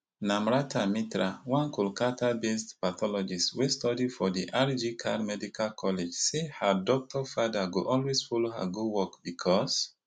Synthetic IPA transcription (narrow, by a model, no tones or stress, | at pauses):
nãmɹatʰamitɾawãnkulkatabestpat̪ɔlɔd͡ʒiswestɔdifɔdiʔaɾd͡ʒikʰa̰dmɛdikʰalkʰɔled͡ʒsehadɔk̚tɔfadaɡoʔɔlwezfɔloɦa̰ɡudwɔkbikʰɔs